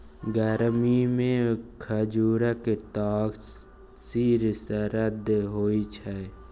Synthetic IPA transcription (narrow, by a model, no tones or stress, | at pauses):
ɡəɾmimẽkʰəd͡ʒuːɾaket̪aːɡ | siɾsəɾəd̪ʱɦoːit͡ʃʰɛ